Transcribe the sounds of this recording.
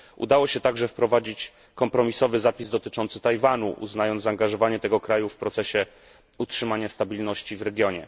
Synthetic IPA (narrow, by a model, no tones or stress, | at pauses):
ṵd̪awɔɕɛt̪aɡʐɛfpɾɔvad͡ʑit͡ɕ | kɔmpɾɔmʲisɔvɘzapʲizd̪ɔt̪ɘt͡ʂɔnt̪sɘt̪ajvanṵʔṵznajɔnd̪aːŋɡaʐɔvaɲɛt̪ɛɡɔkɾajufpɾɔt̪sɛɕɛ | utʂɘmaɲast̪abʲilnɔɕt͡ɕivɾɛɡʲjɔɲɛ